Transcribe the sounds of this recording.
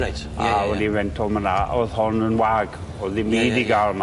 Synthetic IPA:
awɛdivɛntʰɔlˠmanaʔɔðhɔnənwaːɡ | ɔðimiːdiɡalˠma

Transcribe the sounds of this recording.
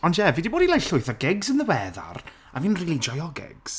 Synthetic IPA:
ɔntʰjɛviːdiboːdilajɬʊɨθɔɡɪɡzənðəwɛða̰r | aviːnriːlˠid͡ʒɔjɔɡɪ̰ɡ̥z̥

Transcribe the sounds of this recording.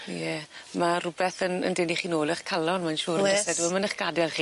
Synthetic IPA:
jɛmarʊbɛθənə̰ndeniχiːnoːlˠəχkʰalˠɔnmanʃuːrɛsɛduɔmanəχɡ̥adɛlˠχiː

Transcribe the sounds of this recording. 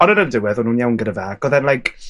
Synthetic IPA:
ɔnəɾəndɪwɛðɔnhuːnjawnɡədəvaːɡɔðɛnlˠajkʰ

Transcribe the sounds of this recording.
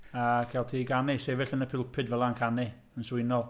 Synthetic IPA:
akʰɛlˠtʰiːɡanɪsɛvɪɬənəpʰɪlˠpʰɨdvɛlˠankʰanɪ | ənswɪnɔlˠ

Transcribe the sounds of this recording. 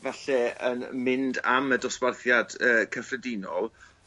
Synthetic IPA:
vaɬɛənmɪnda̰mədɔsw̥arθjad̥əːkʰəfrədɪnɔlˠ

